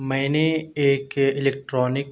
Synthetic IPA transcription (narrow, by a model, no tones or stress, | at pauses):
mɛ̃ːneeːkɪleːk̚ʈɾɔːnɪk